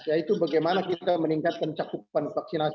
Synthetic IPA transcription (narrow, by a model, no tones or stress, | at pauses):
jait̪ubaɡajmanakit̪aməniŋkat̪̚kant͡ʃakupanfaksina